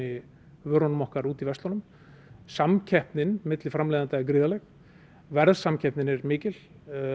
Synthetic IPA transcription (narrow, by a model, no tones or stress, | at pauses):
ɪ | vœːɾɔnmɔhkaɾuːt̪ivɛst̪lɔnʏm | samcʰɛhpnɪnmɪt̪lɪfɾamlɛːðant̪aɪkɾɪːðalɛx | vɛɾðsamcʰɛhpnɪnɛɾmɪːcɪl̥